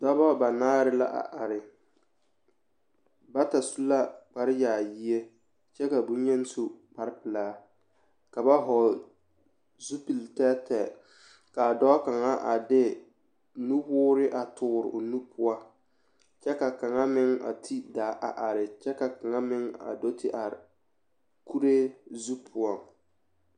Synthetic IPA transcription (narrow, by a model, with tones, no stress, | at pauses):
dɔ˦bɔ˦ba˨naː˦ɾɪ˦la̰˦ʔa̰˨ʔa˨ɾɪ˨ | ba˦ta˨su˦la˦k͡pa˦ɾɪ˦jaː˨ji˦e˦ | t͡ʃɛ˦ka˨bu˦ɲɛ˦n˦su˦k͡pa˦ɾɪ˦pɪ˨laː˦ | ka˨ba˦ɦɔ˨l | zu˦pi˨ltɛ˦tɛ˨ | ka˨dɔ˦ka˨ŋa˦ʔa̰˨dɪ˦ | nu˦wʊː˦ɾɪ˦ʔa˨tʰʊ˦ɾɪ̰˨o˨nu˦pʰʊ˦a˦ | t͡ʃɛ˦ka˨ka˨ŋa˦mɪ˦ŋa̰˨tʰi˦daː˨˦ʔa˨ʔa˨ɾɪ˨t͡ʃɛ˦ka˨ka˨ŋa˦mɪ˦ŋa̰˨dɔ˦tʰi˦ʔa˨ɾɪ˨ | ku˦ɾe˦zu˦pʰʊ˦ɔ˨ŋ